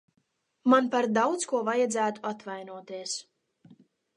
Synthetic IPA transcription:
manpaɾd̪awt̪skuɔvajad̪zæːt̪u̥at̪vajnuɔt̪iɛs

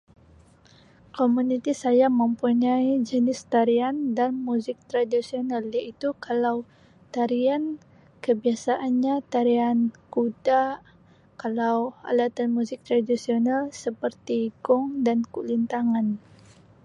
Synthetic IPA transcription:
komunit̪isajaməmpuɲaid͡ʒənɪst̪aɾiandanmuzɪk̚t̪ɾadisionaljait̪ukalaw | t̪aɾian | kəbiasaʔanɲat̪aɾiankuda | kalawa̰lat̪anmuzɪk̚t̪ɾadisionalsəpərt̪iɡʊŋdankulint̪aŋan

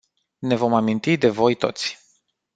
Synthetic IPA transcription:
ne̞vo̞mamint̪id̪e̞vo̞jt̪o̞̰t̪sʲ

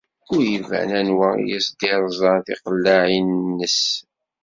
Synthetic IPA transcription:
ʊɾjivæ̰nænwæ̰jisd̪iɾˤzˤɑðḭqəlːaʕinːəs

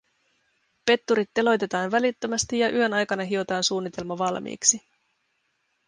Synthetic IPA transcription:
pe̞t̪ːuɾit̪ːe̞lo̞jt̪e̞t̪ɑːnʋælit̪ːømæst̪ijɑʔyɦø̞nɑjkɑnɑɦio̞t̪ɑːnsuːnːit̪e̞lmɑʋɑlmḭːksi

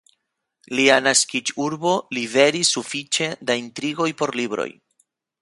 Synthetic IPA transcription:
lianaskit͡ʃuɾbo̞live̞ɾisːufit͡ʃe̞daintɾiɡo̞jpo̞ɾlibɾo̞̰j

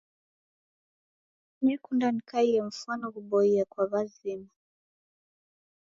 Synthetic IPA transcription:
ɲɛkundanikaiɛm̩fuanɔɣuɓɔiakwaβazima

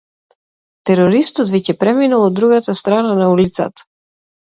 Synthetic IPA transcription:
t̪ɛɾɔɾist̪ɔt̪vɛcɛpɾɛminalˠɔd̪ːɾuɡat̪ast̪ɾananaulit̪sa̰t̪ḁ

